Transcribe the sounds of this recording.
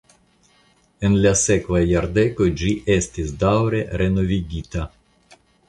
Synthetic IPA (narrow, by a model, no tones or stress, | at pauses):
enlʲasɛklajard̪ɛkod͡ʒiʔɛst̪isd̪awɾeɾenoviɡʲit̪a